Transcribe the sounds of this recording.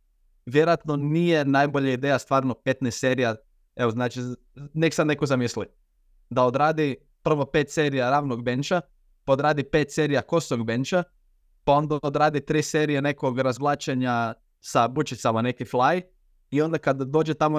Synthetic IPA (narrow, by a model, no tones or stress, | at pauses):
ʋjeɾojat̪no̞nijenajboʎaid̪e̞jast̪ʋaːɾnope̞t̪nest̪seɾija | eʋoznaːt͡ʃi | neki̥sane̞kozamisli | d̪ao̞d̪ɾaːd̪i | pr̩ʋo̞pet̪se̞ːɾijaɾaːʋnoɡbe̞nt͡ʃa | paod̪ɾaːd̪ipet̪se̞ɾijako̞soɡbent͡ʃa | pao̞nd̪aod̪ɾaːd̪it̪ɾiːseɾijene̞ko̞ɡɾazʋlˠaːt͡ʃeɲa | sabut͡ʃit̪samane̞kiflˠaj | io̞nd̪akad̪d̪o̞ːd͡ʒet̪amo